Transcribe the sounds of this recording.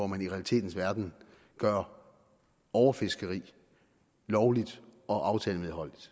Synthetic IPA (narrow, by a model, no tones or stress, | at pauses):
ɒmæniʁɛælit͡sʰe̝̰ːd̥n̩sʋæɐd̥n̩ | ɡ̥ɶɐ | ɒʊɐfe̝sɡ̥əʁḭː | lɒʊlid̥ɒ̽ʔɑ̈ʊt͡sʰɛːləmeðˠɦɒ̽l̰d̥id̥